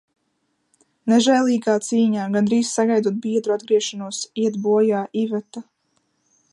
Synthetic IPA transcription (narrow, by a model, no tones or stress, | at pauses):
neʒɛːlˠiːɡaːt̪siːɲaːɡand̪ɾiːssaɡajd̪uɔt̪̚biɛd̪ɾuad̪̚ɡɾiɛʃanuɔsiɛt̪buɔjaːʔivɛt̪a